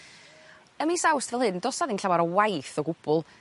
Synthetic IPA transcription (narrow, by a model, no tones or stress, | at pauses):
əmisawstvɛlˠhɨndɔsaðinɬʰawaɾɔwajθɔɡʊb̥ʊlˠ